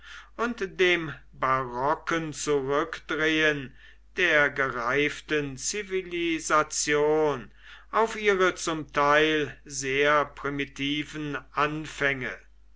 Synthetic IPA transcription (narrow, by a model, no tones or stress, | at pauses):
ʔʊntd̥eːm | baʁɔkənt͡suʁʏkd̥ʁeən | d̥eːɐɡəʁaɪftənt͡sivilizat͡sjoːn | ʔaʊfʔiːʁət͡sʊmtʰaɪlzeːɐpʁ̥imitʰiːvənʔanfɛŋə